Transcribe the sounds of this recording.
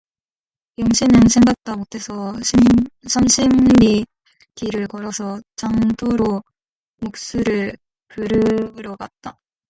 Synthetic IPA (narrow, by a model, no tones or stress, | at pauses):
jʌŋɕʰinɯnsʰe̞ŋɡak̚t͈amotʰe̞sʰʌ | sʰamɕʰimbi | tiɾɯɭkʌɾʌsʰʌt͡ɕaŋtʰoɾo | mok̚s͈uɾɯɭ | pɯɾɯɾʌɡat̚t͈a